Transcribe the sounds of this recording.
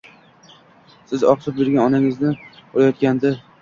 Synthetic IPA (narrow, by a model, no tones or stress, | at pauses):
sɪzɒ̰q̪ʰɪp̚beɾɡʲanɒnaŋɪznɪoɾajɒt̪̚kʲand̪ɪ